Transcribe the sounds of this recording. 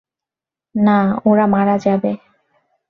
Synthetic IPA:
naoɾamaɾad͡ʑabe

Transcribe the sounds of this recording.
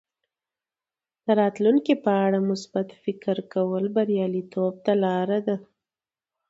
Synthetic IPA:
d̪̥əɾɑt̪luŋkipəaɽamʊsbat̪fɪkɾkawəlbaɾjɑlit̪ob̚t̪alɑɾad̪a

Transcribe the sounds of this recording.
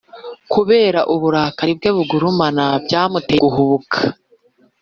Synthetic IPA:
kuβe̞ːɾaʔuβuɾakaɾib̚ɡeːβuɡuɾumanabɟaːmuteuhuβukʰḁ

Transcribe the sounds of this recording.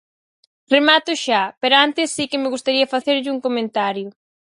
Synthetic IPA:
remat̪ʊʃapeɾʊant̪ɪsːikɪmɪɣust̪aɾiɐfaθeɾʎɪuŋkomẽnt̪aɾjʊ

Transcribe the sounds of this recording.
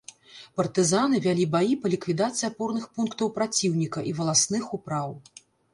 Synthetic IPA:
pɐrt̪ɨzan̪ɨvʲalʲibajipɐlʲikvʲid̪at̪sɨjɐpɔrnɨxpunkt̪ɐwpɾat͡sʲiwnʲikɐʔivɐlˠasnɨxupɾaw

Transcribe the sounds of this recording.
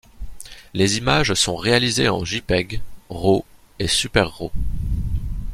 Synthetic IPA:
lezimaʒsɔ̃ʁealizeɑ̃ʒipɛɡʁo | esypɛʁːo

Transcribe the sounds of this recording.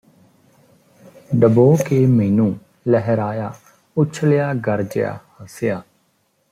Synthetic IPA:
ɖəboːkeːmeːnũː | ləɦəɾaːjaː | ʊt͡ʃʰljaːɡəɾd͡ʒɪ̰ja̰ːhəsɪjaː

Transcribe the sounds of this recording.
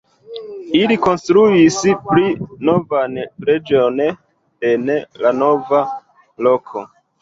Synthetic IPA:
iliko̞nstɾuispɾino̞vanɾe̞d͡ʒio̞n | e̞nlano̞va | lo̞kʰo̞̰

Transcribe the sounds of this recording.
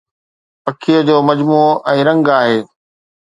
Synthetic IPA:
pɐkʰijəd͡ʑoːmɐd͡ʑmuːʔɛ̃ːɾɐ̃ŋɡaːɦeː

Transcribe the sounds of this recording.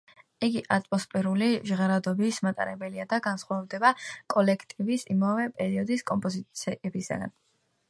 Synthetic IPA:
iɡiʔat̪ʼmɔspʼɛɾuliʒʁaɾad̪ɔbismat̪ʼa̰ɾɛbɛliad̪aɡansχwavd̪ɛbakʼɔlɛkʰt̪ʼivisimavɛpʼɛɾiɔd̪iskʼɔmpʼɔzit̪sʰɛɛbisa̰ɡa̰n

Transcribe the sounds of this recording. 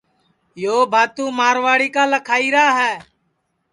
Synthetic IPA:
joːbʱaːt̪ũːmaːɾʋaːɽiːkaːləkʰaːiːɾaːɦɛː

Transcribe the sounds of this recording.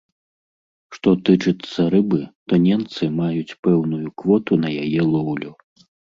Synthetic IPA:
ʂt̪ɔt̪ɨt͡ʂɨt̪sːɐɾɨbɨt̪ɔnʲɛmt̪sɨmajut͡sʲpɛwnujukvɔt̪unɐjajɛlˠɔwlʲu

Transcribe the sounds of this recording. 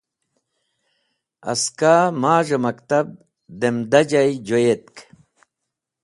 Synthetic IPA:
ɐ̰skaːmaːʐemɐkt̪ɐb̚ | d̪emd̪ɐd͡ʑajd͡ʑojet̪̚k

